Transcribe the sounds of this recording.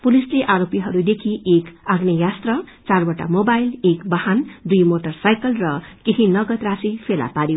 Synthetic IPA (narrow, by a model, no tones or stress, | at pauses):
pulisleʔaɾopiɦʌɾud̪ekʰiʔekaɡnejast̪rʌt͡sarbʌʈa̰mobajlekbʌhand̪ujmoʈʌrsajkʌlrʌkeɦĩnʌɡʌt̪rasipʰela̰paɾjo